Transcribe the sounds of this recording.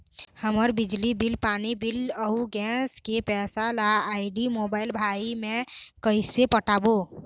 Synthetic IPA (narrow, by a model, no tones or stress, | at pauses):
həməɾbid͡ʒlibilpanibiləuɡɛ̃skepɛsalaaɪɖimobaɪlbʱaimẽkəɪsepəʈabo